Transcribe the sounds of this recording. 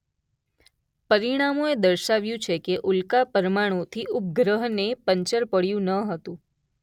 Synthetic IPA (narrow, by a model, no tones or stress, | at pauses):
pəɾiɽ̃amoed̪əɾʃaʋjũt͡ʃʰekeʔʊlkapəɾmaɽ̃ot̪ʰiʔʊp̚ɡɾəɦnepəɲt͡ʃəɾpəɽjũnəɦət̪ũ